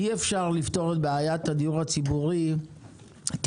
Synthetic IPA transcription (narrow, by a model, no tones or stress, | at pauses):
iefʃaʁlift̪o̞ʁe̞tbeajat̪had̪ijuʁat͡sibuʁi | t